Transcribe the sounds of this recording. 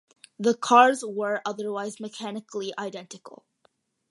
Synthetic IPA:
ðəkʰɑɹzwə˞ʔʌðə˞waɪzmɨkʰænɨkliʔaɪdɛ̃ntɨkl̩ˠ

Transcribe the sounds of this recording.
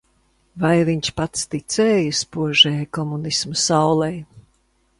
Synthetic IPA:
vajviɲʲt͡ʃpat̪st̪it̪sɛːjɨspuɔʒɛːjkɔmunismɐsawlˠɛj

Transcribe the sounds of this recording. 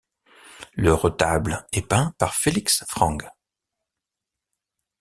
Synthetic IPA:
ləʁɔt̪ablɛpɛ̃paʁfeliksfχɑ̃ɡ

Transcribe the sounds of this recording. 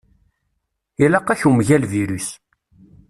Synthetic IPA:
ilɑqːæçumʝælviɾus

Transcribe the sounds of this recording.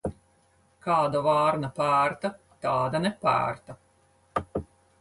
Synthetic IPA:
kɑːd̪ɔvaːɾnapæːɾt̪a | t̪ɑːd̪anɛpæ̰ːɾt̪a

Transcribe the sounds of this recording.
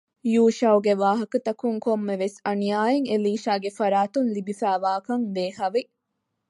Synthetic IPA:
juːʃɐwuɡeʋaːɦɐkɐt̪ɐkuŋkomːeʋesɐnijaːjeŋeliːʃaːɡefɐɾaːt̪unlibifæːʋaːkɐŋd̪eːhɐʋi

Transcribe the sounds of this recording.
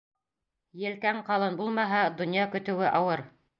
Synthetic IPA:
jɘ̆lkæɴqɑlˠɤnbulˠmɑɦɑd̪ŏnjɑkɵ̆t̪ɘ̆wɘʔɑwɤɾ

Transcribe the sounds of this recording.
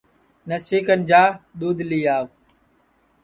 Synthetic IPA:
nəsiːkənɪ̆d͡ʑaːɗ̪uːd̪liːaː

